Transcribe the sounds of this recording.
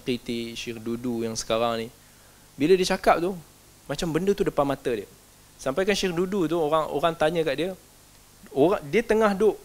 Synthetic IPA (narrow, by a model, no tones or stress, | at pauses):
kɾit̪iʃirdudujaŋsə̥kaɾaŋni | bilədiət͡ʃakap̚t̪uh | mat͡ʃambəndət̪udəpanmat̪ədiə | sampajkanʃɪrdudut̪̬uoɾaŋo̰ɾaŋt̪aɲəkaʔdiə | oɾadiət̪əŋahdʊʔ